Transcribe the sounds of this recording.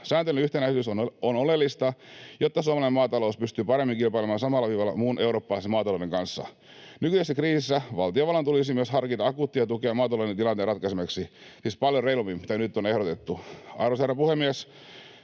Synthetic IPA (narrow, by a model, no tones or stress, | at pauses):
sæːnt̪elynyht̪enæisyːsononolelːist̪ɑjot̪ːɑsuomelɑimɑːt̪ɑlouspyst̪yːpɑɾemːiŋkilpɑilemɑːnsɑmɑlːɑʋiːʋɑlːɑ̰muːnʔe̞wɾoːpːɑlɑˑisemɑːt̪ɑloːdeŋkɑnsːɑ̰ | nykysæsːækriːsisːæʋɑlt̪ijoʋɑlɑnt̪ulis̬imyøshɑrkit̪ɑɑkuːt̪ːijɑt̪ukeɑmɑːt̪ɑlodent̪ilɑnt̪eːrɑt̪̚kɑsemeksi | sispɑljoreilumimmit̪ænyt̪ːonehɾot̪et̪ːuɑ̰ɾoserɑpuhemies